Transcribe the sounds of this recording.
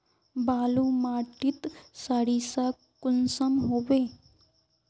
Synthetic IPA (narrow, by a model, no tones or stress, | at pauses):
baːlumaːʈɪt̪saːɽisa | kʊnsəmɦoːʋeː